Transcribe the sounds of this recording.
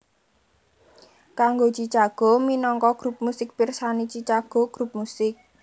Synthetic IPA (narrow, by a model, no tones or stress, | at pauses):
kaŋɡot͡ʃit͡ʃaɡ̥ɔ̤minɔŋkɔɡ̥ɾup̚musɪk̚pirsanit͡ʃit͡ʃaɡ̥ɔ̤ɡ̥ɾup̚musɪk̚